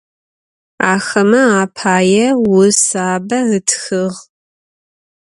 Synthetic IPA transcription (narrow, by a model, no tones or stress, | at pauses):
aːxɐmɐaːpʰaːjɛwʊsaːbɐɨtʰxɨʁ